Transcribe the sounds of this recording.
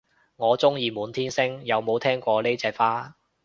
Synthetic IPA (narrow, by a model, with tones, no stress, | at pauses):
ŋɔː˨˧t͡sʊ˥ŋjiː˨˧muː˨˥nt̪ʰiː˥nsɪ˥ŋjɐ˨˧wmo˨˧wt̪ʰɛː˥ŋkʷɔː˧le˥jt͡sɛː˧k̚faː˥